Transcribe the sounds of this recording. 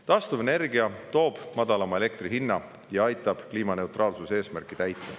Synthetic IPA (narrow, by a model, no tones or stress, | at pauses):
t̪ɑst̪uvene̞rɡiɑt̪o̞ːb̥mɑd̪̥ɑlɑmɑe̞le̞k̚t̪riɦinːɑ | jɑɑjt̪ːˑɑb̥kliːmɑne̞uwt̪rʔɑːlsuse̞ːsmærkːˑit̪æjt̪ːˑɑ̰